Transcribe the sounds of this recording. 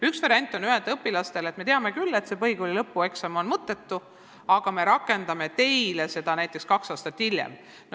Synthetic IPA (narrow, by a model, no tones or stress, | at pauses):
yksvɑɾiɑnʲt̪ːˑo̞nyɦend̪ɤpːilɑst̪e̞let̪me̞t̪eɑme̞kylːe̞t̪se̞pɤjɡulilɤpːue̞ksɑmo̞nmɤt̪ːˑe̞t̪ːu | ɑɡ̥ɑme̞ɾɑkːˑe̞nd̪ɑme̞t̪e̞jlese̞d̪̥ɑnæjt̪ːˑe̞kskɑksɑːst̪ɑt̪ːhilʲjḛm | n